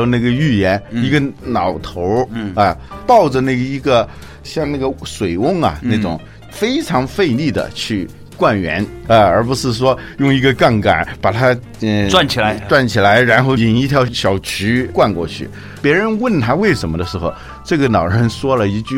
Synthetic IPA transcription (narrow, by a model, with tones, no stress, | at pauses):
na˥˩ɡə˩y˥˩jɛ˧˥ni˧˥ɡə˧nɑ˨˩ʊt̪ʰo˧˥ʊɐ˧pɑ˥˩ʊʈ͡ʂə˩na˥˩ɡə˩i˧˥ɡə˧ | ɕjɑ˥˧ŋna˥˩ɡə˩ʂwe˨˩ɪʊ˥˩ŋɐ̰˨˩na˥˩ʈ͡ʂʊ̰˨˩ŋ | fe˥ɪʈ͡ʂʰɑ˧˥ŋfe˥˧ɪli˥˩d̪ə̰˩t͡ɕʰy˥˧ | kwa˥˩nɥɛ̰˧˥na˧ə˞˧˥p̬u˧˥ʂɻ̩˥˩ʂ̬wɔ˥jʊ˥˩ŋi˧˥ɡə˧ka˥˩nka̰˨˩˦npa˨˩t̪ʰa˥˧ | ʈ͡ʂwa˥˩nt͡ɕʰi˨˩la˧˦ɪʈ͡ʂwa˥˩nt͡ɕʰi˨˩la˧˥ɪɻa˧˥nxo˥˩ʊi˨˩ni˧˥t̪ʰjɑ˧˥ʊɕjɑ˨˩ʊt͡ɕʰy˧˥kwa˥˧nkwɔ̰˥˧t͡ɕʰy̰˥˩ | pjɛ˧˥ɻə˧˥nwə˥˩nt̪ʰa˥we˥˩ɪʂə˧˥nmə˧d̪ə˧ʂɻ̩˧˥xo˧ʊ | ʈ͡ʂɤ˥˩ɡə˩nɑ˨˩ʊɻə˧˥nʂwɔ˥lə˨i˧˥t͡ɕy˥˧